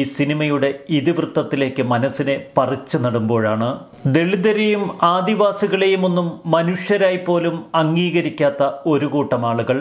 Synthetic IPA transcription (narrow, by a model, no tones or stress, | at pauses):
sinimɐjuɽe̞iðiʋrɨt̪ːɐt̪ːile̞ːkːɨmɐnɐsinepɐrit͡ɕːunɐɽumbo̞ːɻaːɳɨ | d̪e̞ɭid̪ɐɾejumaːd̪iʋaːsiɣɐɭe̞jumo̞nːumːɐnuʂjɐɾaːjpːo̞ːlumɐŋːiːɣɐɾikʲːaːt̪ːɐo̞ɾuɣuːʈːɐmaːɭuɣɐɭ